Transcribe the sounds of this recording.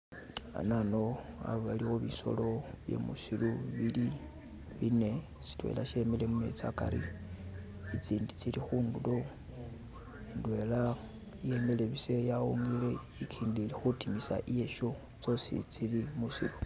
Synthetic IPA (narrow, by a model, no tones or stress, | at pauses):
a̰nanoa̰ββalixuβiso̞̰lo̞βjḛmṵsiluβili | βine̞ | si̥twḛla̰ʃemelemumḛt͡sakaɾḭ | it͡siːndit͡silixuːndulo̞ | endwe̞la | je̞meleβise̞jauŋɡile | ikʰiːndilexutimisa̰ʔije̞ʃo | t͡so̞sḭt͡silimusiɾu